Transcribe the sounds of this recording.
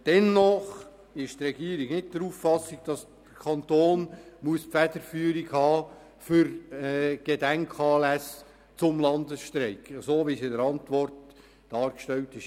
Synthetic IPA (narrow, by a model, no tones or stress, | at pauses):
d̥ɛnːɔχ | ɪʃt̪rɛɡiːɾiɡnɪt̚d̥əɾuːffɑsːɪɡ̚d̥ɑs | d̥əkʰɑntoːnmuəspfæd̥əɾfyːəɾiɡ̥hɑː | fʏɾɛɡ̥edæŋkʰɑːlæs | t͡sʊmlɑndəsʃtɾɛɪksoːʋisidəɾɑntʋɔrt | d̥ɑːɾkʃtɛltɪʃ